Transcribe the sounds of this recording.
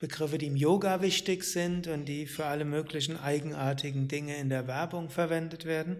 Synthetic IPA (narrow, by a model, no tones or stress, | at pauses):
b̥əɡʁɪfədiːɪmjoːɡavɪçtɪçz̥ɪntʊntd̥iːfyːɐʔaləmøːklɪç̬n̩ʔaɪɡŋ̩ʔaːɐtʰɪɡŋ̩dɪŋəɪndeːɐvɛɐbʊŋfɛɐvɛndətv̥eːɐdn̩